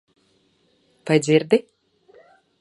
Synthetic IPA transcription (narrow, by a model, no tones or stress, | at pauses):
pajd̪zʲiɾd̪i